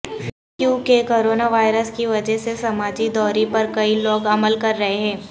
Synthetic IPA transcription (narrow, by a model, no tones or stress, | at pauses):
juːkekoːɾoːnaʋaːɪɾəskiʋɐd͡ʒɛɦsesɐmaːd͡ʒid̪ɔːɾipɐɾkɐiloːɡɐməlkɐɾːɐɦeɦɛ̃ː